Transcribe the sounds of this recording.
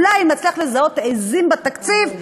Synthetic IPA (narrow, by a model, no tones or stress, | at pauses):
lajimat͡sliaχlezaot̪ezimbat̪akt͡siv